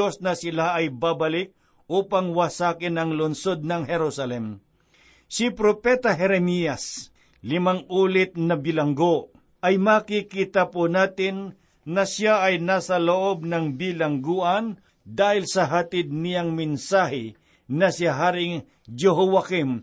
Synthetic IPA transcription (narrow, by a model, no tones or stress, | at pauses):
osnɐsɪlaɐjbabɐlɪk̚ | ʔuːpaŋwasaːkɪnɐŋlʊnsod̪̚nɐŋhɛɾusɐlɛm | sɪpɾopɛt̪ɐɦɛɾɛmijɐs | lɪmaŋuːlɪt̪̚nɐbɪlɐŋɡo | ʔɐjmakikit̪apʊnaːt̪ɪnː | ɐsjaɐjnaːsɐloʔob̚nɐŋbɪlɐŋɡuːʔɐn | d̪aːhɪlsɐɦɐt̪ɪd̪̚nɪjaŋmɪnsaːhɪ | nɐsɪaɦaːɾɪŋ | d͡ʒɛɦowakɪm